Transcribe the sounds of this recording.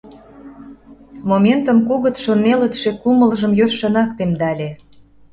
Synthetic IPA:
momʲent̪ə̆mkuɣə̆t̪ʃornelə̆t̪ʃekuməlʒə̆mjørʃənɑkt̪emd̪ɑlʲe

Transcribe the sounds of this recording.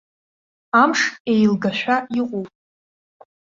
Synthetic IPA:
amʂejlɡaʃʷᶣaiqʼowpʼ

